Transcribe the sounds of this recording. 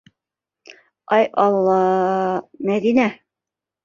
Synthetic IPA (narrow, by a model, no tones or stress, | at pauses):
ɑjʔɑlˠːɑ | mæd̪inæ